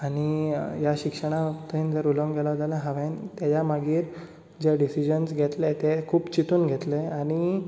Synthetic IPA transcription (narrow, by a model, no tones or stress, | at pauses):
aɽ̃ijaɕikʂəɽ̃aʋakt̪ənd͡zəɾuləŋɡɡʱɛlaɦot̪alãɦaʋent̪jat͡ɕamaɡiːɾ | d͡ʑeɖisid͡ʑənsɡʱet̪let̪ekʰuːpt͡ɕit̪uːnɡʱet̪leaɽ̃i